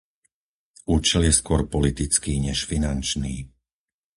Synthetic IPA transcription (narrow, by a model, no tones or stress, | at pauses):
uːt͡ʃɛljɛskʊɔɾpɔlit̪it͡skiːɲɛʃfinant͡ʃniː